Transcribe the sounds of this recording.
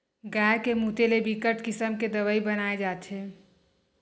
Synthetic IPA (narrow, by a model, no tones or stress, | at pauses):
ɡaːkemuːt̪elebikəʈkɪsəmked̪əʋəibənaːed͡ʒaːt̪ɦeː